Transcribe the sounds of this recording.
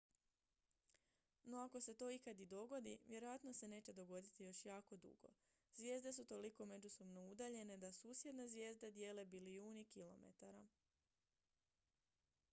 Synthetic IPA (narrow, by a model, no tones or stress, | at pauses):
no̞ako̞se̞t̪o̞ːikad̪id̪o̞ɡo̞d̪iʋje̞ɾo̞jat̪no̞se̞ne̞ːt͡ɕe̞d̪o̞ɡo̞d̪it̪ijo̞ʃjaːko̞d̪ṵɡo̞̰ | zʋje̞ːzd̪e̞sut̪o̞liko̞me̞d͡ʒuso̞bno̞ud̪aʎe̞ne̞d̪asuːsje̞d̪ne̞zʋje̞ːzd̪e̞d̪je̞ːle̞biliuːnikilo̞̰mḛt̪aɾa